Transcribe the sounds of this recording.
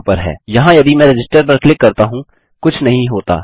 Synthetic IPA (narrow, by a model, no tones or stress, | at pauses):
pɐɾɦɛ̰ːjɐɦãjɐd̪imɛ̃ːɾed͡ʒɪsʈəɾpɐɾklɪkːɐɾt̪aɦũ | kʊt͡ʃʰnɐɦĩɦoːt̪a̰ː